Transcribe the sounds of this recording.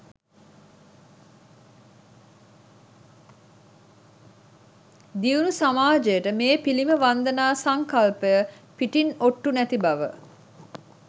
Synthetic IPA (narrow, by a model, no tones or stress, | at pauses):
d̪iunusamaːd͡ʒejəʈəmeːpiliməʋand̪ənaːsaŋkalpəjə | piʈinoʈːunæt̪ibaʋə̰